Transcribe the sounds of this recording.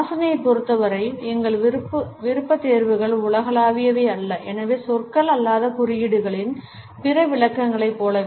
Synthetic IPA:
sɐnɐjɐɪpːɔɾɯt̪ːɐʋɐɾɐɪɛŋɡɐɭɾɯpːɯʋɪɾɯpːɐt̪ːeːɾʋɯɣɐɭʊɭɐɣɐlaːʋɪjɐʋeːɐlːɐʔɛnɐʋeːsɔrkɐɭɐlːaːðɐkʊrɪjɪɽɯɣɐɭɪn | pɪrɐʋɪɭɐkːɐŋɡɐɭɐɪpːoːlɐ

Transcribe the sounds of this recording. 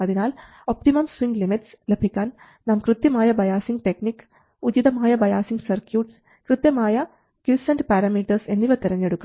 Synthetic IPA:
ɐðinaːl | opʈimɐmswiŋɡlimiʈs | lebʱikʲːaːn | naːmkrɨt̪jɐmaːjɐbɐjaːsiŋɡʈe̞knikːɨ̥ | ud͡ʑiðɐmaːjɐbɐjaːsiŋɡsɐrkjuːʈs | krɨt̪jɐmaːjɐ | kjisɐnɖɨpaːɾɐmiːʈːɐrse̞nːiʋɐt̪iɾɐɲːe̞ɽukːu

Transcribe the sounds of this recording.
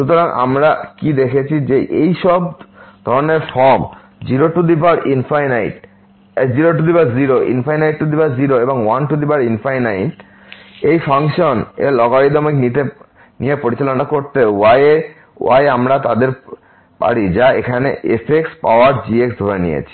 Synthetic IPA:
ʃut̪oɾaŋʔa̰mɾakid̪ekʰet͡ɕʰid͡ʑeʔejʃɔbd̪ʱɔɾoneɾfɔɾm | d͡ʑiɾoʈud̪ipaɾʔinfajnajʈ | d͡ʑiɾoʈ̬ud̪ibaɾziɾoʔḭnfajnajʈʈud̪ipaɾziɾoeboŋwanʈud̪ipaɾinfajnajʈ | ejfʰaŋʃonḛlɔɡaɽid̪ɔmeknit̪e | nijepoɾit͡ɕalonakoɾt̪eaje | a̰jamɾat̪ad̪eɾ | pa̰ɽid͡ʑaekʰaneʔefʰekspa̰oaɾd͡ʑieksd̪ʱoɾenḭjḛt͡ɕʰi̥

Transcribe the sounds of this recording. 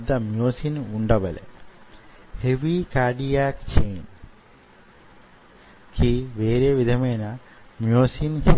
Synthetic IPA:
d̪ɐmjoːsinuɳɖɐʋɐlḛ | heʋikaːɖijaːkt͡ʃejn | kʰiʋeːɾeʋid̪ʱɐmenɐ | mjoːsinhe

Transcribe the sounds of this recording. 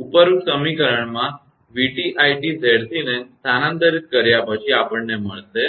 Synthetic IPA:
upəɾuʈsəmikəɾəɳmã | ʋiʈiʔajʈid͡zʱeɽt̪inest̪ʰanãnt̪əɾit̪̚kəɾjapəɕiapəɳːeməɭt̪e

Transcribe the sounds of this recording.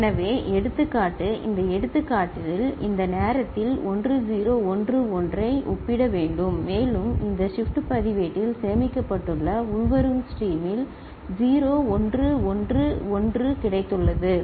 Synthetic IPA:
ɛnɐʋeːʔɛɽɯt̪ːɯkːaːʈːɯʔɪ̰nd̪ɐɛɽɯt̪ːɯkːaːʈːɪlɪlɪ̰nd̪ɐneːɾɐt̪ːɪlɔndrɯd͡ʒiːɾoːɔndrɯɔndrɐɪʔʊpːɪɽɐʋeːɳɖɯmːeːlɯmɪnd̪ɐʂɪfʈɯpɐðɪʋeʈːɪlsɛjɐmɪkːɐpːɐʈːɯɭːɐʊɻʋɐɾɯmsʈiːmɪl | d͡ʒiːɾoːɔndrɯɔndrɯɔndrɯkɪɽɐɪt̪ːɯɭːɐðɯ

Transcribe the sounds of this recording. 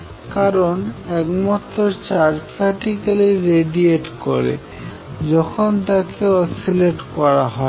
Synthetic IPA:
kaɾonɛkmɔt̪ːɾoɾt͡ɕaɾd͡ʑsaʈikeliɾeɖieʈkoɾḛ | d͡ʑɔkʰont̪akeɔsileʈkɔɾaɦɔe

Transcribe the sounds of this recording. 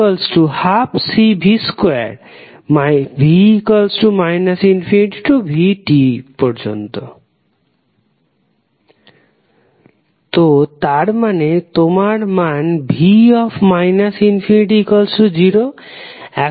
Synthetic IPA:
ɔlsʈuhapsibʱiskwɛ̰ɾ | mabʱikɔlsʈumajnasinfʰiniʈʈubʱiʈipɔɾd͡ʑont̪o | t̪ot̪aɾmanet̪omaɾmanbʱiɔfmajnasinfʰiniʈ̬ikɔlsʈud͡ʑiɾo | ɛ

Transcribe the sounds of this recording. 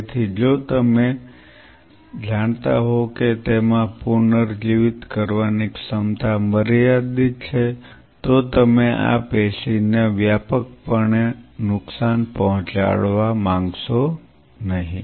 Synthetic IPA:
t̪ʰid͡ʒot̪əme | d͡ʒaɳ̃t̪a̰ɦoket̪emãpuɾnəɾd͡ʒiʋɪt̪kəɾʋaniksəmt̪ʰaməɾjad̪it͡ʃʰe | t̪ot̪əmeʔa̰peʃineʋjapək̚pəɳenʊksanpəɦɔ̃t͡ʃa̰ɭʋamãŋɡʃo | nəɦĩ

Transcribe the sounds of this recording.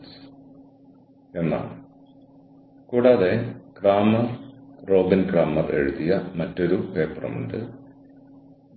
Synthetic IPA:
s | e̞nːa̰ːɭ | kuːɽaːðe̞kraːmɐrro̞ːbinkraːmɐre̞ɻuðijɐmɐtːo̞ɾupe̞ːpːrɐ̰mṵɳɖɨ̰

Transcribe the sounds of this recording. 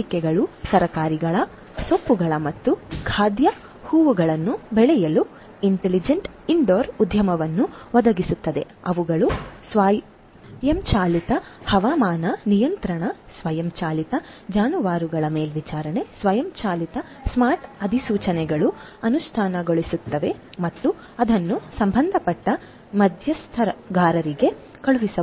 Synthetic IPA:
ikɛɡɐɭusɐɾɐkaːɾiɡɐɭɐ | sopːuɡɐɭɐmɐt̪ːukʰaːd̪jɐ | huːʋuɡɐɭɐnːubɛɭɛjɐlu | iɳʈelid͡ʒeɳʈ | iɳɖoːɾud̪ʱjɐmɐʋɐnːuʋɐd̪ɐɡisut̪ːɐd̪e̞̰ | ɐʋuɡɐɭusʋaː | jɐmt͡ʃaːlit̪ɐ | hɐʋaːmaːnɐnijɐnt̪ɾɐɳɐsʋɐjɐmt͡ʃaːlit̪ɐ | d͡ʒaːnuʋaːɾuɡɐɭɐme̞ːlʋit͡ʃaːɾɐɳesʋɐjɐmt͡ʃaːlit̪ɐ | smaːʈɐd̪ʱisuːt͡ʃɐnɛɡɐɭu | ɐnuʂʈʰaːnɐɡo̞ɭisut̪ːɐʋe̞ | mɐt̪ːu | ɐd̪ɐnːusɐmbʱɐnd̪ʱɐpɐʈːɐ | mɐd̪ʱjɐst̪ʰɐɾɐɡʱaːɾɐɾiɡe̞ | kɐɭuʋisɐ

